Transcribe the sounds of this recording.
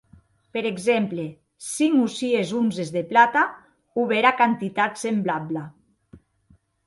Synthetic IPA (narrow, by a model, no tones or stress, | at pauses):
peɾeɡzemple | siŋusiezunzezðeplat̪a | uβeɾakant̪it̪at̪semblabla